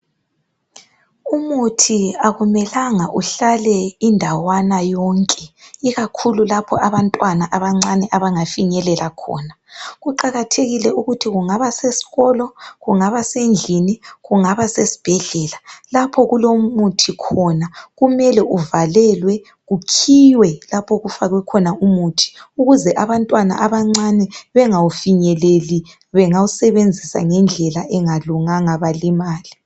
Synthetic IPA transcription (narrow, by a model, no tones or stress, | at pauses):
umutʰiaɣumɛlaŋaʔuɬalɛindʱawanajɔŋkʼɛiɣakʰululapʰɔaβantʼwanaʔaβaŋ͡ǀanɛʔaβaŋafiɲɛlɛlakʰɔ̰ːna | ɣuǃaɣatʰeɣilɛuɣutʰiɣuŋaβasesi̥ɣɔlɔɣuŋaβasend͡ɮʱiniɣuŋaβasesi̥b̥ʱɛɮɛːlalapʰɔɣulomutʰikʰɔnaɣumɛlɛuvalɛlwɛ | ɣukʰiwɛlapʰɔɣufaɣwɛkʰɔnaumutʰi̥uɣuzɛʔaβantʼwana̰ʔaβaŋ͡ǀanɛβɛŋawufiɲɛleli | βɛŋawusɛβend͡zʱisa̰ŋɛnd͡ɮʱɛlaʔɛŋaluŋaŋaβalimaːli